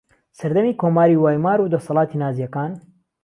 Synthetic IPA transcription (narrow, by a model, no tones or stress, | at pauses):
sɐɾd̪ɐmiːkoːmaːɾiːwaːjmaːɾuːd̪ɐsɑlˠɑːt̪ʰinaːzijɐkaːn